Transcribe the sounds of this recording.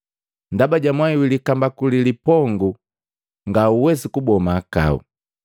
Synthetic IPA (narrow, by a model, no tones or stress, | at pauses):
ndabaɟamwaiwilikambakulilipɔŋɡu | ŋɡauwɛsikubɔmaːka̰ṵ